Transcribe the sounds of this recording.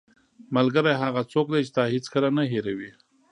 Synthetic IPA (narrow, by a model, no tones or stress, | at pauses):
malɡəɾajɦaɣat͡sok̚d̪ajt͡ʃe̥d̪ɑhet͡skəlanaɦeɾawi